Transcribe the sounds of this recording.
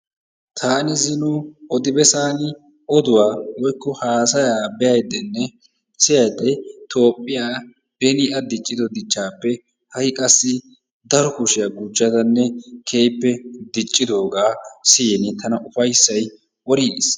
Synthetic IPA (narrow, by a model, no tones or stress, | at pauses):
t̪ʰaːnɪzɪnʊɔd̪ɪbɛsaːnɪ | ʔɔd̪ʊwaːwɔjkːɔhaːsɐjaːbɛjɐjd̪ɛnːɛ | sɪjɐjd̪ːɛt̪ʰo̞ːpʼːɪjaː | b̥ɛnɪʔɐd̪ɪt͡ʃʼːɪd̪ɔd̪ɪt͡ʃːaːpːɛ | hɐjkʼɐsːɪ | d̪ɐɾɔkʊʃɪjaɡʊd͡ʒːɐd̪ɐnːɛkʰe̞ːjpːɛd̪ɪt͡ʃʼːɪd̪o̞ːɡaːsɪjɛnɪt̪ʰɐnɐʊfɐjsːɐj | wɔɾɪs